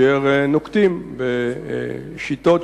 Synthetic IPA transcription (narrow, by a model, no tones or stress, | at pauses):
eʁnokt̪imbe | ʃit̪ot̪